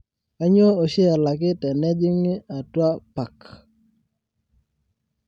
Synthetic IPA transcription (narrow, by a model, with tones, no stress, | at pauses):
a˦ɲo˦o˨ʃɛ˦a˨la˨k̬ɪ˦tɛ˨nɛ˦d͡ʒɪ˦ŋɪ˦a˨twa˦pa˨k